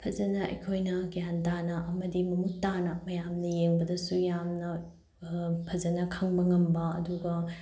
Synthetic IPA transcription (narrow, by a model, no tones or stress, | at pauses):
pʰɐzɐnɐɐ̰jkʰojnɐkijantanɐʔɐmɐdimɐmuk̚tanɐmɐjamnɐjeŋbɐdɐsujamnɐ | pʰɐzɐnɐkʰɐŋbɐŋɐmbɐɐ̰duɡɐ